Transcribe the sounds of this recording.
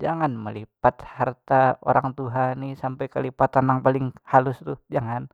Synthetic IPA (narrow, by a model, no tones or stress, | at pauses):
d͡ʒaŋanməlipat̪hart̪ao̰ɾaŋt̪uɦanisampajkəlipat̪anaŋpalɪŋhalʊst̪ʊhd͡ʒaŋan